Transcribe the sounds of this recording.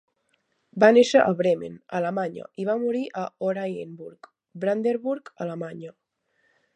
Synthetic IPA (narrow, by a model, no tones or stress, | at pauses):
baneʃəʔaβɾemḛnalamaɲə̰iβamuɾiʔaoɾajembuɾk | bɾand̪eɾβuɾkəlamaɲə